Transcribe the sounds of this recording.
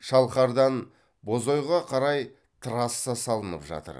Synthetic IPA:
ʃɑlˠχɑɾd̪ɑn | bo̞zojʁɑqʰɑɾɑj | t̪ʰəɾɑsːɑsɑlˠənəpʒɑ̰t̪ə̰ɾ

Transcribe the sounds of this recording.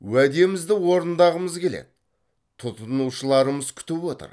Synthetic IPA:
wæd̪e̞mɪzd̪ɪwo̞ɾənd̪ɑʁəməzkʲʰe̞lḛd̪̚ɪ | t̪ʰʊt̪ənuʃəlˠɑɾəməz̥kʲʰʏ̥t̪ɪpwo̞t̪ə̰ɾ

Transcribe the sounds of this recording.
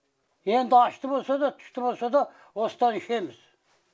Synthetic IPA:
jend̪ɑʃt̪ɨbolsad̪ɐt̪ʰy̥ʃt̪ɨbolsad̪ɐ | ost̪ɑnʃemɪz̥

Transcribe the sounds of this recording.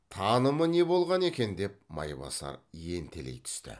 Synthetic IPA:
t̪ʰɑnəməne̞bo̞lˠʁɑne̞kʲe̞nd̪e̞p̚mɑ̰jbɑ̰sɑ̰ɾje̞nt̪ʰele̞̰jt̪ʰʏ̥st̪ɪ̰

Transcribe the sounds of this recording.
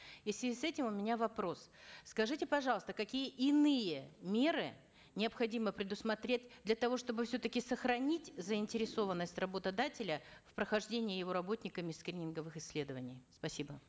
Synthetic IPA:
isvʲɪzʲisɛtʲɪmʊmʲɪnʲavɐpɾo̞sskɐʐɨtʲɪpɐʐɑlˠəst̪əkɐkʲijəʔɪnɨjəmʲe̞ɾɨ | nʲɪəpxɐdʲiməpɾʲɪd̪ʊsmɐt̪ɾʲet̚ʲd̪lʲɐt̪ɐvo̞ʂt̪o̞bɨfsʲɵt̪əkʲɪsəxɾɐnʲitʲzəɪnʲtʲɪɾʲɪso̞vənːəsʲtʲrɐbot̪ɐd̪atʲɪlʲəfpɾəxɐʐdʲenʲɪjɪjɪvo̞ɾɐbo̞t̪ʲnʲɪkəmʲɪskɾʲinʲɪnɡəvɨxɪsʲːlʲe̞d̪əvənʲɪjspɐsʲibə

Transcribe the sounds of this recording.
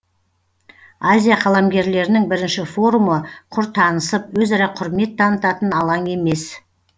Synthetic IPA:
azʲijaqʰɑlˠɑmɡʲe̞ɾle̞ɾɪnɪŋbɪɾɪnʃɪfo̞ɾuməqʰʊɾt̪ʰɑnəsəp̚wɵzɑɾɑqʰʊɾme̞t̪ʰːɑnət̪ɑt̪ənɑlˠɑŋe̞me̞s

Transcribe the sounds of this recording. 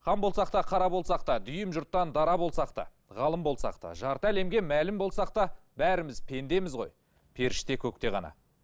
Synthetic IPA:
χɑmbo̞lˠsɑqt̪ɑqʰɑɾɑbo̞lˠsɑqt̪ɑd̪ʏjɪmʒʊɾt̪ːɑnd̪ɑɾɑbo̞lˠsɑqt̪ɑ̰ | ʁɑlˠəmbo̞lˠsɑ̰qt̪ɑ̰ʒɑɾt̪əæle̞mɡʲe̞mælɪmbo̞lˠsɑq̚t̪ɑ | bæɾɪmɪzpʰe̞nd̪e̞mɪzʁo̞̰j | pʰe̞ɾɪʃt̪e̞kʲʰɵk̚t̪e̞ʁɑ̰nɑ̰

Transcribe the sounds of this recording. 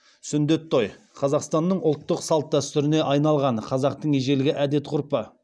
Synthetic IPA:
sʏnd̪e̞t̪ʰːoj | qʰɑzɑqst̪ɑnːəɴʊlˠt̪ːəqsɑlˠt̪̚d̪æst̪ʏɾɪne̞ʔɑjnɑlˠʁɑɴqʰɑzɑq̚t̪əɴeʒe̞lɪɡʲɪʔæd̪e̞t̪qʰʊɾpə

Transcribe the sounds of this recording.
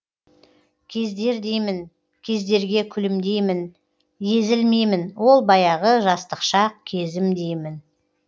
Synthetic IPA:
kʲʰe̞zd̪e̞ɾd̪e̞jmɪn | kʲʰe̞zd̪e̞ɾɡʲe̞kʲʰʏlɪmd̪e̞jmɪn | je̞zɪlme̞jmɪnwo̞lˠbɑjɑʁəʒɑst̪əqʃɑq̚kʲʰe̞zɪmd̪e̞jmɪn

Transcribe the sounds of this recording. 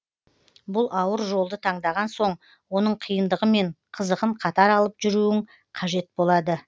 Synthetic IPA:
bʊlˠʔɑwəɾʒo̞lˠd̪ət̪ʰɑɴd̪ɑʁɑnso̞ɴ | wo̞nəɴqʰijənd̪əʁəme̞ɴqʰəzəʁəɴqʰɑt̪ɑɾɑlˠəpʒʏɾuɪŋ | qʰɑʒe̞t̪̚bo̞lˠɑd̪ə

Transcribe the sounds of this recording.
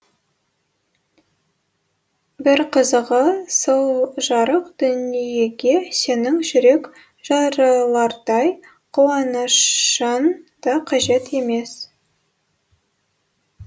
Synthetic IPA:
bɪɾqʰəzəʁəsolˠʒɑɾəqd̪̥ʏnijeɡʲe̞se̞nɪŋʒʏɾe̞k | ʒ̥ɑɾɑlˠɑɾd̪ɑj | qʰuwɑnəʃənd̪̥ɑqʰɑʒe̞t̪e̞me̞s

